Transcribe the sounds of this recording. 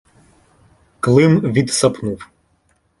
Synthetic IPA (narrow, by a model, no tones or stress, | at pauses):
klˠɪmʋʲid̪sɐpnuw